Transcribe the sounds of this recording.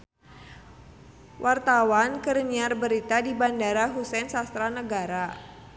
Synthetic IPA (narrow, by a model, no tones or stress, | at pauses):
wʔart̪awankəɾniarbəɾit̪adibandaɾaɦusɛnsast̪ɾanəɡaɾa